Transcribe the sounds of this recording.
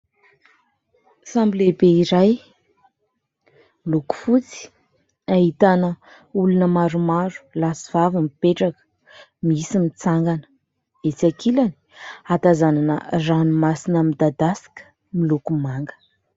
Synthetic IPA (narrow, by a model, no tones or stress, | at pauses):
sambilebeiɾaj | miluku̥fut͡si̥ | aɦit̪anə | ulunəmaɾumaɾu̥lasiv̥avimipeʈ͡ʂakə̥ | misimit͡saŋɡanə̥ | et͡sakilani̥at̪azananə̰ranumasinəmid̪ad̪asi̥kʲə̥ | milukumaŋɡə̥